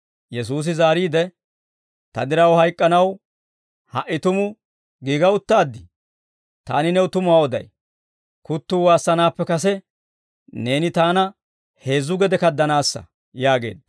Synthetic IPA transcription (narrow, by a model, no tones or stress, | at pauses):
jɛs̬uːs̬ɪzaːɾiːd̪ɛ | t̪ɐd̪ɪɾɐwhɐjkʼːɐnɐw | hɐʔɪt̪ʊmʊ | ɡiːɡɐʊt̪ːaːd̪ːɪ | t̪a̰ːnɪnɛwʊt̪ʊmʊaːɔd̪ɐ̰j | kʊt̪ːuːwaːsːɐnaːpːɛkɐs̬ɛ | ne̞ːnɪt̪aːnɐ | he̞ːzːʊɡɛd̪ɛkɐd̪ːɐnaːsːɐ̰ | jaːɡe̞ːd̪